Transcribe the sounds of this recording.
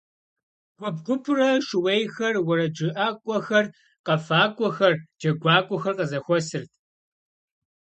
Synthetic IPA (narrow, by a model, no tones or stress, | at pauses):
ɡ̥ʷɔb̚ɡʷʊpʰrɐʂɨwejxɐrwɐɾɐd͡ʒɨʔaːkʷʼɔxɐr | qɐfaːkʷʼɔxɐrd͡ʒɐɡʷaːkʷʼɔxɐrqɐzɐxʷɔsɨrtʰ